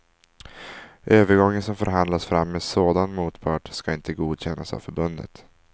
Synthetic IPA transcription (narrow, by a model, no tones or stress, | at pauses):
ʔøːvəɾɡɔŋːənsɔmfœɾɦand̪lasfɾamːesoːd̪anmuːt̪pʰɑːʈskaɪnt̪ʰəɡuːd̪ɕɛnːasa̰vfœɾbɵnd̪ə̰t̪